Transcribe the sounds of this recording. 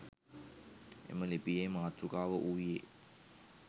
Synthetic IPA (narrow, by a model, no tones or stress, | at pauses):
ḛməlepijeːmaːt̪ɾukaːʋəʔuːjeː